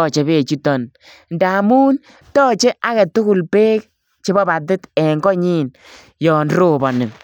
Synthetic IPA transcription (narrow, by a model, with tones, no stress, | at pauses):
ɔ˦˨t͡ʃe˨be˨t͡ʃu˦tɔ˨n | nda˨mu˦n | tɔː˦t͡ʃɛ˦ʔa˦kɛ˨tʊ˦kʊ˨lpeː˦k̚ | t͡ʃe˦bɔ˦ba˨tɪ˦tɛ˨ŋɡɔ˦ɲi˦n | jɔ˨nɾo˦˨bɔ˨nɪ˨ŋ